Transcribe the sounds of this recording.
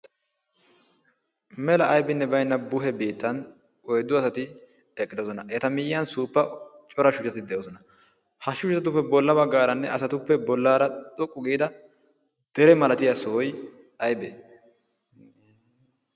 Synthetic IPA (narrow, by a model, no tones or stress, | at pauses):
mɛlɐːjbɪnːɛbɐjnːɐbʊɦɛbiːt̪ːɐn | ɔjd̪ːʊɐsɐt̪ɪ | ɛkʼːɪd̪ɔsɔnɐʔɛt̪ɐmɪjɪːɐnsuːpːɐ | t͡ʃʼɔɾɐʃʊt͡ʃːɐt̪ɪd̪ɛjoːsɔnɐ | hɐʃʊt͡ʃɐɐt̪ʊpːɛbɔlːɐbɐɡːaːɾɐnːɛʔɐsɐt̪ʊpːɛbɔlːaːɾɐt̪ʼɔkʼːʊɡiːd̪ɐ | d̪̥ɛɾɛmɐlɐt̪ɪjɐsɔɔj | ɐjbɛ